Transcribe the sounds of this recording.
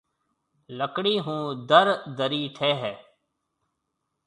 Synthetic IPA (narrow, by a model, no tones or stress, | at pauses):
ləkɽiːɦũːd̪əɾd̪əɾiːʈʰeːɦɛː